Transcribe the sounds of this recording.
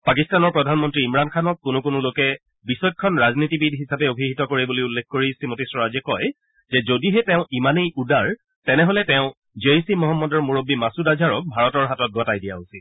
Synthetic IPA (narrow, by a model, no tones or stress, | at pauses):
pakistanɔɹpɹɔdʱanmɔntɹiːmɹankʰanɔk̚kʊnʊkʊnʊlokɛ | bisɔjkkʰːɔnɹaznitibidʱɦisapɛobʱiɦitɔkoɹibolojulːɛkʰkoɹisimotisɹɔɹazɛkɔj | zɛzodiɦɛtɛ̃ʊ̃ʔimanejʔudaɹ | tɛnɛɦolɛtɛʊ̃ | d͡ʒeisimɔɦɔmːɔdɔɹmuɹobːimasudazʱaɹɔk̚bʱaɹɔtɔɹɦatɔt̚ɡʱɔtajdija̰usi